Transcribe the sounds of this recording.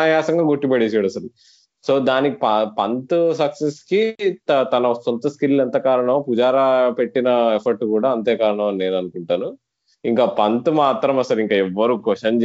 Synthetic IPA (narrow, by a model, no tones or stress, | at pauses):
ajaːsɐŋɡaːɡoʈːipɐɽeːsaːɽɐsɐlu | soːd̪aːnikipɐpɐnt̪usɐkseskit̪ɐt̪ɐnɐsɔnt̪ɐskilːɐnt̪ɐkaːɾɐɳɐmpud͡ʒaːɾape̞ʈːinɐepʰɐɾʈkuːɽaːɐnt̪eːkaːɾɐɳɐmɐnine̞ːnɐnukuɳʈaːnu | iŋkaːpɐnt̪umaːt̪ɾɐmɐsɐliŋkaːɛʋːɐɾuːkɔʂɐm